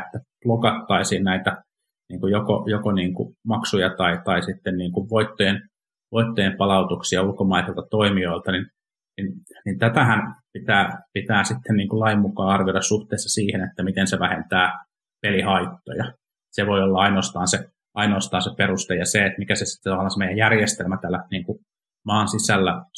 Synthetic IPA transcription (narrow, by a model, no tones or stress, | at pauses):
et̪ːæplokɑt̪ːɑisiːnnæit̪æ | niːŋkujoko̰jokoniːŋkṵmɑksujɑt̪ɑit̪ɑisit̪ːenniːŋkuʋʋoit̪ːojen | ʋoit̪ːojempɑlɑut̪uksiɑulkomɑiselt̪ɑt̪oimioilt̪ɑnin | ninnint̪æt̪æhænpit̪æːpit̪æːsit̪ːenniːŋkulɑimmukɑːɑrʋioɾɑssuht̪eːsːɑsiːhenet̪ːæmit̪enseʋæhent̪æː | pelihɑit̪ːo̰jɑ | seʋoiolːɑɑinoɑst̪ɑːnse | ʔɑinoːst̪ɑːnseperust̪ejɑseet̪mikæsesi̥t̪ːt̪ɑʋɑlːˑɑːnsemejæjærjest̪elmæt̪ælːæniːŋku | mɑːnsisælːæ